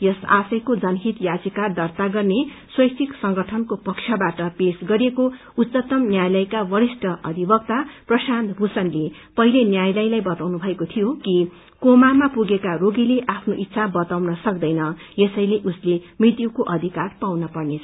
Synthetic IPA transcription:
jʌsa̰sʌjkod͡zʌnɦit̪jad͡zikard̪ʌrt̪aɡʌrneswʌjsʰiksʌŋɡʌʈʰʌnkopʌkt͡ʃʰjʌbaʈʌpesɡʌɾeko | utːt͡sʌt̪ʌmnjajlʌjkabʌɾisʈʌʔʌ̰d̪ʱibʌk̚t̪aprʌsant̪bʱusʌnle | pʌɦilenjajlʌjlajbʌt̪awnubʱʌekot̪ʰijoki | komamapuɡekaroɡileʔapʰnoʔit̪ːsʰabʌt̪awnʌsʌk̚d̪ʌjnʌjesʌjleʔuslemrit̪jukoʔʌd̪ʱikarpawnʌpʌrnet͡sʰʌ

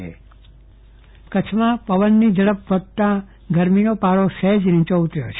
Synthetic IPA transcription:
ḛ | kət͡ʃʰmãpəʋənːid͡ʒəɭəpʋəd̪̚t̪ã | ɡəɾminopaɾosed͡ʒɾĩt͡ʃout̪ɾjot͡ʃʰ

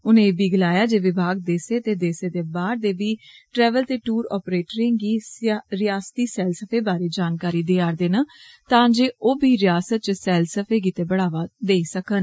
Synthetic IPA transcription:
ʊnẽːbiːɡəlaːjaːd͡ʒeːʋɪbʱaːɡ̚d̪eːseːt̪eːd̪eːseːd̪eːbaːɾd̪eːbiːʈɾɛːʋəlt̪eːʈuːɾɔ̰ːpɾeːʈɾɪ̃ŋɡiːɾɪjaːst̪iːsɛːlsəpʰeːbaːɾeːd͡ʒaːnkaːɾiːd̪eːaːɾd̪eːna | t̪ãːd͡ʒeːʔoːbiːɾɪjaːsət̪̚t͡ʃsɛːlsəpʰeːɡiːt̪eːbəɽaːʋaːd̪eːisəkən

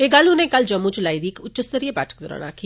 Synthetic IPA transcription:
eɡalunekald͡ʒɐmːut͡ʃlaːjd̪iːkʊtːt͡ʃəst̪əɾijəba̰ːʈʰə̥k̚d̪oɾa̰ña̰ːkʰi

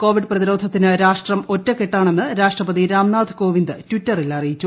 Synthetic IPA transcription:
ko̞ːʋiɖɨprɐðiɾo̞ːd̪ʱɐt̪ːinɨɾaːʂʈrɐmo̞tːɐkːeʈːaːɳe̞nːɨɾaːʂʈrɐpɐðiɾaːmnaːd̪ʱɨko̞ːʋind̪ɨtʋitːɐrilɐrijit͡ɕːu

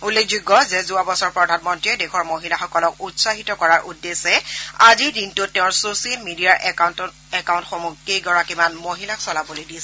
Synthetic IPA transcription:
ulːekʰzuɡːɔzɛzuabɔsɔɹpɹɔdʱanmɔntɹiɛdɛxɔɹmoɦilaxɔkɔlɔk̚utsaɦitɔkɔɹaɹʔudːesɛaziɹdintʊtːɛʊ̃ɹsosiɛlmidiaɹʔɛnt | ɛkawntxomukːejɡɔɹakimanmoɦilaksɔlabolojdisɛ

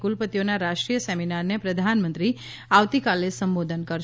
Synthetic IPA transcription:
kulpət̪ijonaɾaʃʈɾijəsɛminaɾnepɾəd̪ʱanmə̃nt̪ɾi | aʋt̪ikalesəmbod̪ʱənkəɾ

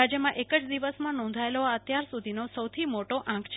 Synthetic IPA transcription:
ad͡ʒjəmãʔekəd͡ʒd̪iʋəsmãnɔ̃nd̪ʱaeloət̪jaɾsud̪ʱinosəwt̪ʰimoʈoʔãkʰt͡ʃʰ

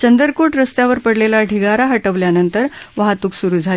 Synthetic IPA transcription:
t͡ɕənd̪əɾkoʈɾəst̪jaʋəɾpəɽlelaɖʱiɡaɾaɦəʈəʋljanənt̪əɾʋaɦat̪uːksuɾuːd͡zʱal

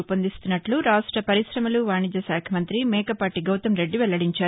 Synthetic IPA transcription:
pɐnd̪ist̪unːɐʈluɾaːsʈɾɐpɐɾiʃɾɐmɐluʋaːɳid͡ʒ̪ɐsaːkʰɐmɐnt̪ɾimɛːkɐpaːʈiɡɐwt̪ɐmɾe̞ɖːiʋɛlːɐɽiɲt͡ʃaːu

